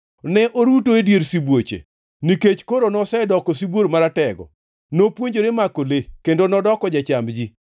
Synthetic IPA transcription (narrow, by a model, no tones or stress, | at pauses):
nɛʔoɾutoedjeɾsibwot͡ʃḛ | niket͡ʃkoɾonɔsɛdɔkɔs̬iboɾmaɾatɛɡɔ̰ | nopwoɲd͡ʒoɾemakolekendonɔdɔkɔd͡ʒat͡ʃambd͡ʒi